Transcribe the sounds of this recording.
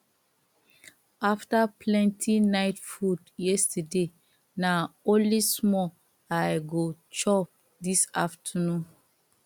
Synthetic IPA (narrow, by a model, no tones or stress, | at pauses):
aftapʰlɛ̃ntʰinaɪtfudjɛstəde | naõnlismɔ | ajɡot͡ʃɔp̚ | disaftʰənũn